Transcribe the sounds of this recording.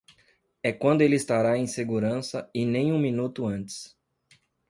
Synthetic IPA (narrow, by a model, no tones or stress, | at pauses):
ɛkwɐ̃nd̪ʊelɪist̪aɾaẽj̃seɡuɾɐ̃sɐɪnẽj̃ũminut̪ʊɐ̃nt͡ʃɪ̥s